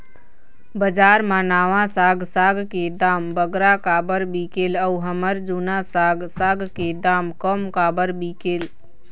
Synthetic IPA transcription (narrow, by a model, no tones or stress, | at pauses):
bəd͡ʒaːɾmãnaːʋãsaːɡsaːɡked̪aːmbəɡɾakaːbəɾbiːkeləuɦəməɾd͡ʒuːnasaːɡsaːɡked̪aːmkəmkaːbəɾbiːkeːl